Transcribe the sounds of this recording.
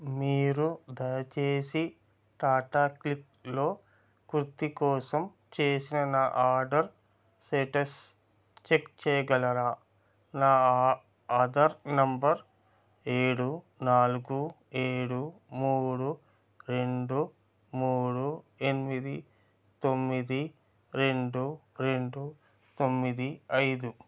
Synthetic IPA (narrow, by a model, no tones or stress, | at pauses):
miːɾud̪ɐjɐt͡ʃe̞ːsi | ʈaːʈaːklik | lo̞ː | kuɾut̪ikɔːsɐm | t͡ʃeːsinɐnaːʔaːɾɖɐɾ | seʈɐs | t͡ʃekt͡ʃɛːjɐɡɐlɐɾaː | naː | ɐd̪ɐɾnɐmbɐɾ | eːɽu | naːluɡu | eːɽumuːɽu | ɾe̞ɳɖu | muːɽue̞nimid̪i | t̪o̞mːid̪i | ɾe̞ɳɖuɾe̞ɳɖu | t̪o̞mːid̪iɐjd̪u